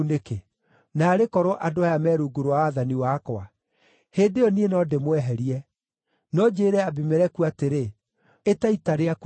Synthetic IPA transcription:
neke | naːɾekɔɾɔʔadoajamɛːɾuɡoɾwawaðaniwaːkwa | hendeɔnienɔdemwɛɦɛɾiɛ | nɔd͡ʑeːɾɛabimeɾɛkuateɾe | etaitaɾeak

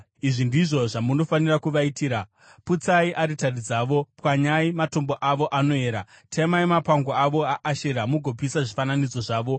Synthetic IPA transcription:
iʐindiʐo̞ʐamuno̞fanirakuʋaitiːɾa | put͡saiʔaɾitarid͡zaːʋo̞pwaɲaimato̞mboʔaʋo̞ʔano̞e̞ːɾatʰemaimapaŋɡoaʋo̞aʔaʃeɾamuɡʱo̞p̬isaʐifananid͡zo̞ʐaːʋo̞

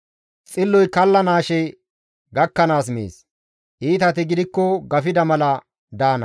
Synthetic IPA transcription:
t͡sʼɪlːɔjkɐlːɐnaːʃɛ | ɡɐkːɐnaːs̬mḛːs | ʔiːt̪ɐt̪ɪɡɪd̪ɪkːɔɡɐfɪd̪ɐmɐlɐ | d̪aːnɐ̰

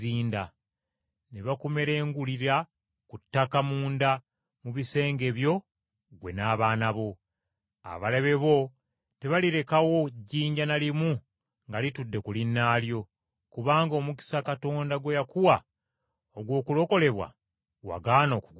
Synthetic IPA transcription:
iːnda | neβakume̞ɾe̞ːŋɡuliɾa | kutːakamuːnda | muβise̞ːŋɡe̞βjo̞ | ɡwe̞̰naːβaːnaβo̞ | a̰βaleβe̞βo̞ | te̞βaliɾe̞kawo̞ɟiːɲɟanalimu | ŋɡalitudːe̞kulinːaːljo̞ | kuβaːŋɡoːmuki̥sakato̞ːndaɡwe̞jakuwa | oɡwo̞ːkulo̞ko̞le̞βwa̰ | wa̰ɡaːno̞kuɡ

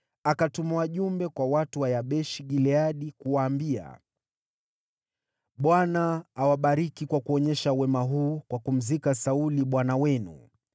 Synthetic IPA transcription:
akatumawaʄumbɛkwawatuwajaɓɛʃiɠilɛaɗikuwaːmbia̰ | ɓwanaːwaɓaɾikikwakuɔɲɛʃawɛmaɦuːkwakum̩zikasauliɓwanawɛnṵ

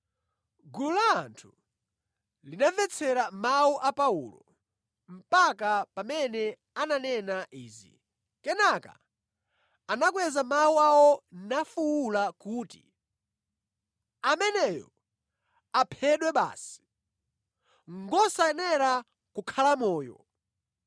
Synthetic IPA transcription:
ɡululaːntʰu | linavɛt͡sʰɛɾamauʔapaṵlɔ̰ | m̩pakapamɛnɛ | ananɛnaʔiːzḭ | kɛnaka̰ | anakwɛzamawuawɔnafuwulakuːtḭ | amɛnɛjɔ̰ | apʰɛɗwɛɓa̰ːsi̥ | ŋɡɔsaɛnɛɾa | kukʰalamɔːjɔ̰

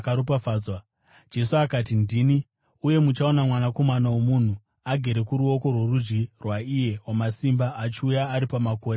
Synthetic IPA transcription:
kaɾupafaːd͡zwa | d͡ʒe̞suakatindiːni | uje̞mut͡ʃao̞namwanako̞manawomun̤u | aɡʱe̞ɾe̞kuɾuo̞ko̞rwe̞rud͡ʒɡirwaije̞wamasimbaʔat͡ʃiujaːɾipamako̞ːɾe

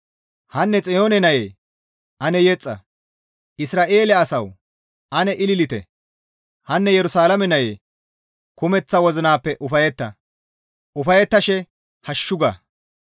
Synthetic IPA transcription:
hɐnːɛt͡sʼɪjoːnɛnɐjeː | ʔɐnɛjɛt͡sʼːɐ̰ | ʔɪsɾaːʔe̞ːlɐːsɐw | ʔɐnɛʔɪlɪlɪt̪ɛ̰ | hɐnːɛjɛɾʊsaːlɐmɛnɐjḛː | kʊmɛt͡sːɐwɔzɪnaːpːɛʔʊfɐjɛt̪ːɐ | ʔʊfɐjɛt̪ːɐʃɛ | hɐʃːʊɡɐ

